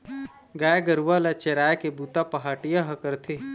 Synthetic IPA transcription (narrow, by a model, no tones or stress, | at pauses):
ɡaːɡəɾuʋalat͡ʃeɾaːekebuːt̪apɐɦaːʈijaɦɐkəɾt̪ʰe